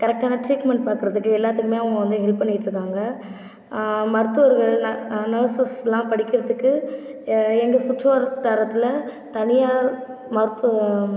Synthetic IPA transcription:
kɐɾɛk̚ʈaːnɐʈɾiːkmɛɳʈ̚paːɾkɯɾɐðɯkːɯɛlːaːt̪ːɯkːɯmeːɐʋɐɡɐʋɐnd̪ɯɦɛlppːɐɳːɪɪʈːɾɯkːaːŋɡɐ | mɐɾɯt̪ːɯʋɐɾɣɐɭnɐːsɐsɛlːãːpɐɽɪkːɪɾɐðɯkːɯ | ɛŋɡɐsʊʈɾɐʋɐɾt̪aːɾɐt̪ːɪlɐ | t̪ɐnɪjaː | mɐɾɯt̪ː

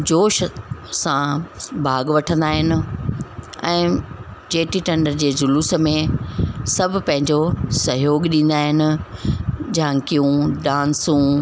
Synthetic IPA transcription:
d͡ʑoːʃsãbʱaːɡʋɐʈʰə̃nd̪aːɦɪnɪ̆ | ɛ̃ːd͡ʑeːʈiʈɐ̃ɳɖəɾd͡ʑeːd͡ʑʊluːsə̆mẽsɐbʱʊ̆pɐ̃ɦɪ̃ɲd͡ʑosɐɦjoːɡɗĩːn̆d̪aːɦɪnɪ̆ | d͡ʑaãkijũɗãːnsũ

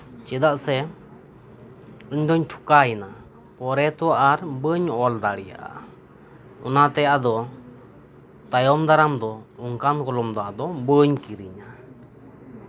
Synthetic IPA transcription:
t͡ʃɛd̪aʔsɛ | əɲd̪ɔɲʈʰu̥kaɛna | pɔɾɛt̪ɔwaʔaɾbəɲɔld̪aɽɛja̰ʔa̰ | ɔnat̪ɛjaʔad̪ɔ | t̪ajɔmd̪aɾamd̪ɔɔŋkankɔlɔmd̪ɔʔad̪ɔbəɲkiɾiɲa

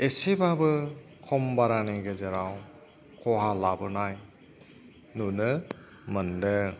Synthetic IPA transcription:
esebabɯ | kʰɔmbaɾaneɡezeɾaw | kʰɔɦalabɯnaj | nunɯ | mɯndɯ

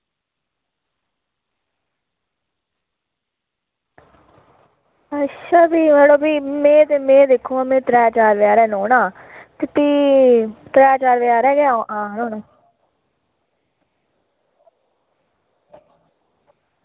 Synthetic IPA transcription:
ətʃʰaːbiːmeːɽõːbiːmẽːt̪emẽːd̪eːkʰːõːmẽːt̪ɾɛːt͡ʃaːɾʋɪjaːɾɛːnõːnaː | t̪ɪp̪iː | t̪ɾɛːt͡ʃaːɾʋɪjaːɾɛːɡeaõːãːnõːnoː

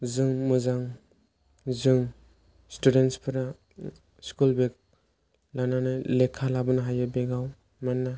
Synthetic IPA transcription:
zɯŋmɯzaŋ | zɯŋ | studentspʰɯɾa | skulbek̚ | lananajlekʰalabɯnaɦajabeɡaw | mana

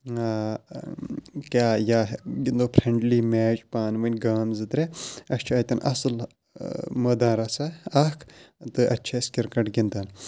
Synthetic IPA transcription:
a | kʲaːjaːɦɡind̪oːpʰɾeɳɖliːmeːt͡ʃpaːnʋɐnʲɡaːmzɨt̪ɾʲeɐst͡ʃʰaːt̪ʲɐnʔɐ̰sɨl | mɐd̪ãːɾɐsaɐkʰt̪ɨɐtːt͡ʃʰeskʲiɾkɐʈɡʲind̪ɐn

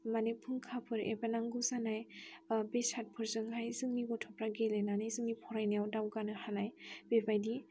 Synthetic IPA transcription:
manipʰuŋkʰapʰɯɾḛbanaŋɡuzanajbesat̚pʰɯɾzɯŋɦajzɯŋniɡɔtʰɔpɾaɡelenanajzɯŋnipʰɔɾajnajawdawɡanɯhanajbebajdi

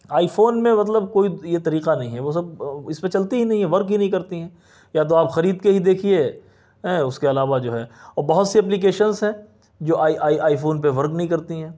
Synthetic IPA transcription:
aːifoːnmẽmɐt̪̬ləb̚koːijet̪ɐɾiːqanɐɦĩɦɛʋos̬ɐb̚ɪspet͡ʃɐlt̪iɦinɐɦĩɦɛʋɐɾkɦinɐɦĩk̬ɐɾt̪iɦɛ̃ː | jat̪̬oaːpxɐɾiːd̪keɦid̪eːkʰie | ɦɛʊskeɐlaːʋad͡ʒoːɦɛːɔːɾbɐɦʊt̪siɐp̬lik̬eːʃənzɦɛ̃ː | d͡ʒoːʔaːʔaːiʔaːifoːnp̬eʋɐɾknɐɦĩkɐɾt̪iɦɛ̃ː

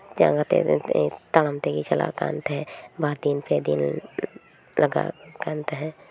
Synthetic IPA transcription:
d͡ʒã̰ːŋɡat̪ḛt̪aləmt̪ekit͡ʃɐla̰kã̰ːnt̪ɦɛ̃ːbaːɾd̪inped̪ḭn | ləɡa̰kãːnt̪ɦɛ̃ː

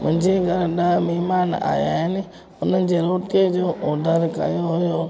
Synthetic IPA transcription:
mʊ̃ɲd͡ʒeɡʱəɾɗəmeɦmaːna̰ːja̰ːɦɪnɪ | ʊnənɪ̆d͡ʑeːɾoːʈed͡ʒoːʔoːd̪ʱəɾkə̰joɦʊjoː

